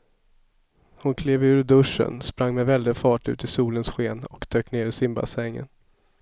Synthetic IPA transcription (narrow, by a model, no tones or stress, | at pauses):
hʊnkʰleːvʉ̟ːɾɖɵʂːə̰nspɾaŋːmɛvɛld̪ɪfɑːʈʉ̟̰ːt̪ɪsuːlənsɧeːnɔkd̪̥øːkneːɾɪsɪmba̰sɛŋːə̰n